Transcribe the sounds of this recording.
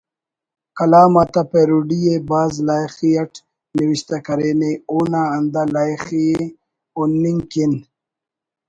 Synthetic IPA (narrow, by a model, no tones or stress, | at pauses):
kɐlaːmat̪apeɾuɖijebaːzlaːjxiɐʈ | niwiɕt̪akɐɾeːneuːnaːnd̪alaːjxije | onːiŋkin